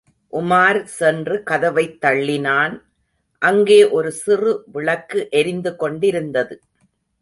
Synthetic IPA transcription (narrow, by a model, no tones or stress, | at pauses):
ʔʊmaːɾsɛndrɯkɐðɐʋɐɪt̪ːɐɭːɪnaːn | ʔɐŋɡeːʔɔɾɯsɪrɯʋɪɭɐkːɯʔɛɾɪnd̪ɯkɔɳɖɪɾɯnd̪ɐðɯ